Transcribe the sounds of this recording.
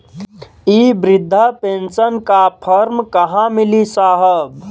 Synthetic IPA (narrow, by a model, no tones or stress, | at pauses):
iːbɾɪd̪ʱːəpẽnsənkapʰəɾmkəɦãmilisaːɦəb